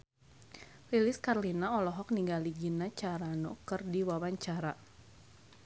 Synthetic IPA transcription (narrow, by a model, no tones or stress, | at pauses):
lilɪskarlinaɔlɔɦɔk̚niŋɡaliɡinat͡ʃaɾanɔkɨrdiwawaɲt͡ʃaɾa